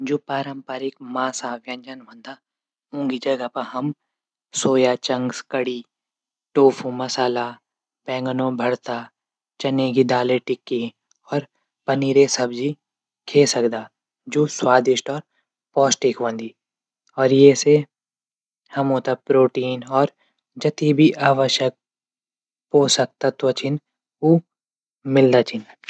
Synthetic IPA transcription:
d͡ʒoːpaːɾə̃mpaːɾɪkmaːsaːʋjɐ̃ɲd͡ʒənʋɐ̃nd̪a | ɦũːŋɡid͡ʒɐɡapɐɦɐm | soːjat͡ʃɐ̃ŋɡskɐɽiː | ʈoːfʰũmɐsaːla | pɛ̃ːŋɡənõbʱɐɽt̪a | t͡ʃɐneːɡid̪aːleʈɪkːi | ɔːɾ | pɐniːɾesɐbd͡ʒi | kʰeːsɐkd̪aː | d͡ʒoːswaːd̪ɪʃʈɔːɾ | pɔːsʈikʰʋə̃nd̪iː | ɔːɾjese | hɐmõːt̪apɾoːʈiːnɔːɾ | d͡ʒɐt̪ibʱiʔaːʋəʃjək̚ | poːsɐk̚t̪at̪ot͡ʃʰɪn | u | mɪld̪aːt͡ʃʰɪn

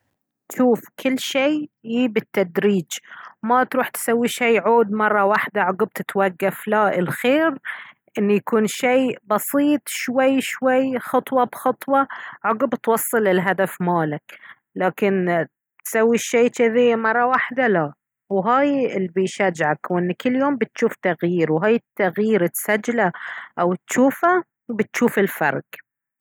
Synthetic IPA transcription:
ʃuːfkʰɪlːʃeːjiːbɪt̪ːad̪ɾiːd͡ʒmat̪ɾuːħt̪sawːiʃejːʕoːd̪mɑrˤːɑwaħd̪aʕʊɡb̚t̪ɪt̪waɡːaflaʔɪlxeːɾ | ʔɪnːujakuːnʃeːbɑsˤiːt̪ˤʃwajːʃwajːxɑt̪ˤwɑbxɑt̪ˤwɑʕʊɡɪbt̪wɑsˤːɨlɪlɦad̪afmaːlak | laːkɪn | t̪sawːiʃeːt͡ʃɪðimɑrˤːɑwaħd̪ala | wɦaːjɪlːbɪjʃad͡ʒʕakwʔɪnːkɪlːjoːmbɪt̪ʃuːft̪aɣjiːɾwɦaːjɪt̪ːaɣjiːɾɪt̪sad͡ʒːlaʔawt̪ʃuːfa | bɪt̪ʃuːfɪlfɑ̰ɾˤɡ̥

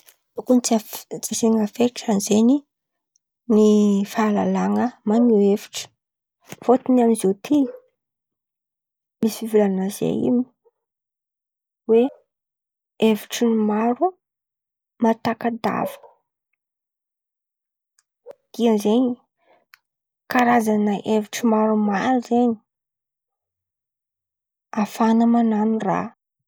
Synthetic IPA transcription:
t̪ukunit͡st͡siseŋəfeʈ͡ʂanzeni | nifala̰laŋəmaɲievi̥ʈ͡ʂə̥ | fot̪inaminzet̪ʰi | misifivulanazḛḭmi̥ | we | eviʈ͡ʂinmaɾu | mat̪akad̪a̰v̥ə̥ | d̪̥iənzeɲ | kaɾazanəʔeviʈ͡ʂimaɾumaɾuzeɲi̥ | afanəmananira̰

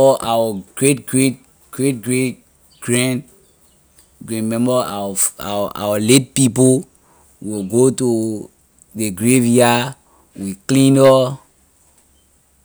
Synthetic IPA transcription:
ɔʔawəɡ̥ɹet̚ɡɹet̚ | ɡ̥ɹet̚ɡɹet | ɡ̥ɹɛ̃n | ɡɹĩmɛ̃mbəawaʔa̰wəlet̚pip̬o | wilɡotu | ðeɡɹevja | wiklĩnɔ

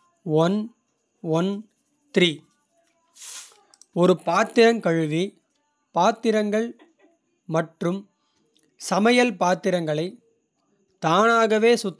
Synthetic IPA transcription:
ʋɐn | ʋɔn | t̪ɪɾiː | ɔɾɯpaːt̪ɪɾɐŋkɐɻʋi | paːt̪ɪɾɐŋɡɐɭ | mɐʈrɯm | sɐmɐjɐlpaːt̪ɪɾɐŋɡɐɭɐɪ | t̪aːnaːɣɐʋeːsʊt̪ː

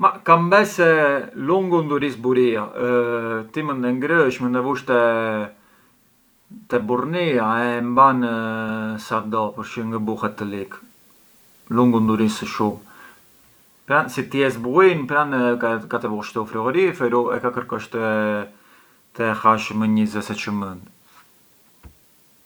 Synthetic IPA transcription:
makambɛsɛluŋɡund̪uɾisbuɾia | t̪imənd̪ɛŋɡɾəʃmənd̪ɛvuʃt̪ɛ | t̪ɛburniaɛmban | saɾd̪ɔpəɾʃiŋɡəbuhɛt̪ːəlik | luŋɡund̪uɾinsəʃum | pɾansit̪jɛsbuinpɾankat̪ɛvuʃt̪əufɾiɔɾiɛfɛɾuɛ̰kakəɾkɔʃt̪ə | t̪ɛhaʃməɲəzɛsɛt͡ʃəmənd̪

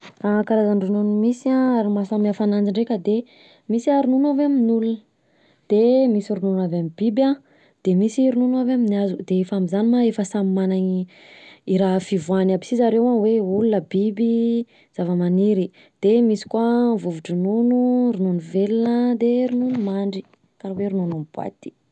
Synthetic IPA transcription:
akaɾazanrununumisiãaɾimasamiafanand͡ʒiɳɖ͡ʐekʲəd̪e | misiaɾununaveaminulunə | d̪̥emisiɾununuavamibibã | d̪̥emisiɾununuavaminiazud̪eefamizanimaefəsamimanaɲi | iɾafivuanabi̥sizaɾewaweulunəbibi | z̥avəmaniɾi | d̪̥emisi̥kwavuvuʈ͡ʂununuɾununuvelinəd̪eɾununumaɳɖ͡ʐi | kaɾaweɾununamb̥wa̰t̪i̥

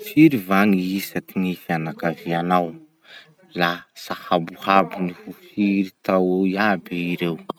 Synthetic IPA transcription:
fiɾivaŋiisat̪iŋifanakavianaw | lasahabuhabinifufiɾit̪awiabiiɾew

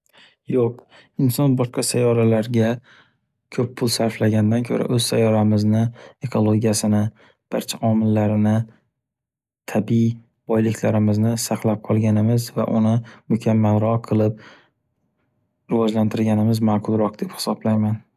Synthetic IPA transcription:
joq̚ | ɪnsɒnbɒʃqɑsajɒɾalaɾɡʲa | kʰɵpːʰʊlˠsaɾflaɡʲand̪ankʲʰɵ̰ɾʔa̰ʔɵz̥sajɒɾamɪznɪe̞kʰo̞lˠoɡʲijasɪnɪ | b̥aɾt͡ʃʰaʔɒmɪlːaɾɪnɪ | t̪ʰabi | bɒjlɪkʲʰlaɾɪmɪznɪsaqlˠap̚qʰɒlˠɡʲanɪmɪzva̰ʔʊ̰nɪmʊkʲʰamːalɾɒqʰɨlˠɪp̚ | ɾɪvɒd͡ʒlant̪ʰɪɾlɡʲanɪmɪzmaːqʰʊlˠɾɒq̚d̪e̞phɪ̥sɒblajman

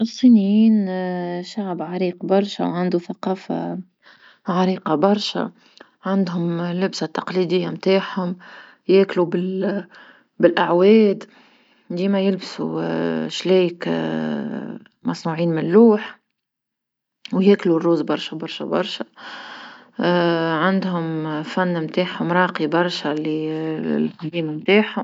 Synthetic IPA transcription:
ʔɪsˤːiːnjiːnʃaʕbʕaɾiːqbɑɾˤʃa̰wʕand̪uθaqɑːfa̰ | ʕaɾiːqɑbɑɾˤʃa̰ | ʕand̪ɦʊmlːɪbsat̪ːɑqlid̪ɪjːamt̪aːʕhʊm | jæːklubɪl | bɪlʔaʕwɛːd̪ | d̪iːmɛjɪlbsṵʃlɛjk | mɑsˤnuʕiːnmɪnlɾuːħ | wjɛːklurːuːzbɑɾˤʃabɑɾˤʃa̰bɑ̰ɾˤʃa | ʕand̪ɦʊmfænːmt̪aːħhʊmɾˤɑːqibɑɾˤʃalilkʊbiːmmt̪aːħhʊm

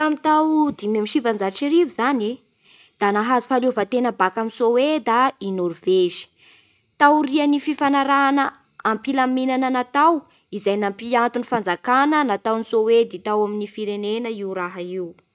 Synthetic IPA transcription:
amit̪awd̪imemiʃivand͡zaʈ͡ʂiɾivizane | d̪̥anaɦazi̥faluvat̪enəbakaminsowed̪ainɔrveʒi̥ | t̪awriənififanaɾanə | ampilaminanənat̪aw | izajnampiant̪unifand͡zakanənat̪awnisowed̪it̪awaminifiɾenenəiwɾaɦaiw

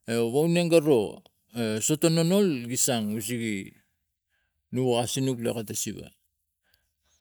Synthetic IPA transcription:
eβawneŋɡaɾo̞ | eso̞to̞nono̞lɡisaŋus̬iɡi | nuɣasinukla̰katasiba̰

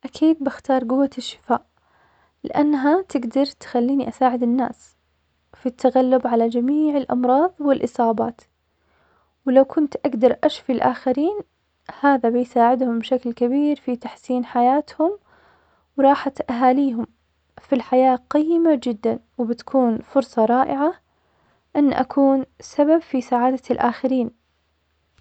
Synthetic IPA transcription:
ʔakʰiːd̪̚bɪxt̪ɑːɾˤɡʊwːaɪʃːɪ̥faːʔ | lɪ̰ʔanːɦat̪ɪɡd̪ɑɾˤt̪xalːiːniʔasaːʕɪd̪ɪnːa̰ːs | fit̪ːaɣalːʊbʕalad͡ʒamiːʕɪlʔɑ̰mɾˤɑːðˤwɪlʔɨsˤɑːbɑːt̪ | wɪlawkʰʊnt̪ʔaɡd̪ɑɾˤʔaʃfilʔaːxaɾiːn | haːðabɪjsaːʕɪd̪hʊmbɪʃaklkabiːɾfit̪aħsiːnħajaːt̪hʊm | wɾˤɑːħat̪ʔaɦaːliːɦʊm | filħajaːqɑjːɪmad͡ʒɪd̪ːanwɪbɪt̪kʰuːnfʊɾsˤɑɾˤɑːʔɪʕa | ʔɪnːʔa̰kʰuːnsababfisaʕaːd̪alʔaːxaɾiːn

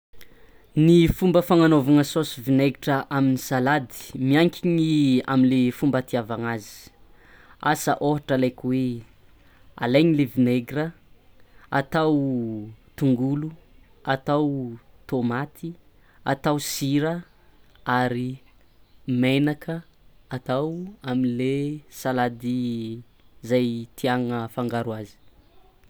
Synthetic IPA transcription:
nifumbəfaŋanovaŋəsosivineɡiʈ͡ʂəʔaminisalad̪i̥miaŋkʲiɲia̰minlefumbat̪iavaŋazi̥ | a̰sə̰ʔoɦaʈ͡ʂəalajkʲwe | a̰lajɲilevineɡɾə | at̪aw | t̪uŋɡulu | at̪awt̪omat̪ʰi | a̰t̪awsiɾə | aɾi | menakʰə | at̪awamilesalad̪i | zajt̪ʰiaŋəfaŋɡaɾuazi̥

